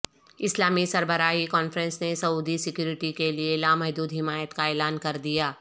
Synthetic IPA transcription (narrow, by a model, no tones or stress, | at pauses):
ɪslaːmisɐɾbəɾaːikɔːnfɾə̃nsnesɐuːd̪isɪkjuːɾɪʈikelielaːmɐɦd̪uːd̪ɦɪmaːjət̪kaeːlaːnkɐɾd̪ijaː